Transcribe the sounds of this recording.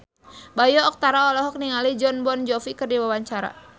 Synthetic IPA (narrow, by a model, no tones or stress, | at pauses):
bajɔːk̚t̪aɾaɔlɔɦɔk̚niŋalid͡ʒɔnbɔnd͡ʒɔfikərdiwawaɲt͡ʃaɾa̰